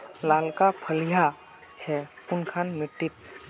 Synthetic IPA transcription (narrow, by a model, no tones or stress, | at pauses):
lalkapʰəlija | t͡ʃʰɛunkʰanmiʈːit̪̚